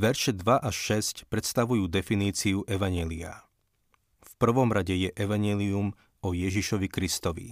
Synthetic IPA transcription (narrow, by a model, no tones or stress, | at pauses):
ʋɛɾʃɛd̪ʋaʔaʃːɛscpɾɛt̪st̪aʋujuːd̪ɛfiniːt͡siuʔɛʋaɲɪɛːlia̰ | fpr̩ʋɔmɾaɟɛjɛʔɛʋaɲɪɛːlium | ɔjɛʒiʃɔʋikɾist̪ɔʋḭ